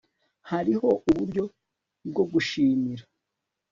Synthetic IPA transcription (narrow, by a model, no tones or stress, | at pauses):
haɾiho̞ʔuβuɾɟo̞ | bɡo̞ɡuʃiːmiɾa